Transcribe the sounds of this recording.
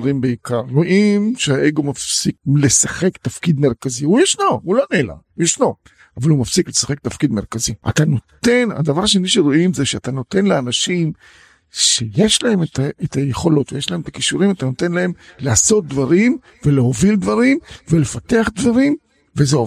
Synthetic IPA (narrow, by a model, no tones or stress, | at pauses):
ʁimbeikaʁːo̞ʔimʃeaʔeɡo̞mafsikle̞saχe̞kt̪afkid̪me̞ʁkaziujaʃnoulo̞nela̰ujeʃno̞ | avalumafsiklesḁχe̞k̚t̪afkid̪me̞ʁkaziʔa̰t̪ano̞t̪e̞na̰d̪avaʁʃeniʃeʁoʔimzeʃeat̪ano̞te̞nleanaʃim | ʃe̞jeʃlae̞met̪ʰaʔet̪ajeχo̞lo̞t̪vejeʃlaemet̪akiʃuɾimat̪ano̞tenlae̞mleaso̞t̪̚d̪vaʁim | ve̞leɦo̞vild̪vaʁimvele̞fat̪eaχd̪vaʁim | vezeo